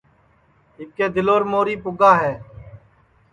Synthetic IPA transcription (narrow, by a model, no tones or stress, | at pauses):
ɪkːeːd̪ɪloːɾmoːɾiːpʊɡaːɦɛː